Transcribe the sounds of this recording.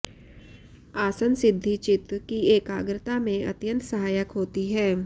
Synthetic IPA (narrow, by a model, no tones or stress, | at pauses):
aːsənsɪd̪ʱːit͡ʃɪt̪kieːkaːɡɾɪt̪amẽɐt̪jə̃nt̪sɐɦaːjəkɦoːt̪iɦɛː